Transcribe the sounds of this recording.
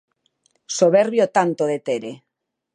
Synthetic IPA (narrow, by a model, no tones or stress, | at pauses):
soβeɾβjot̪ant̪oðet̪eɾe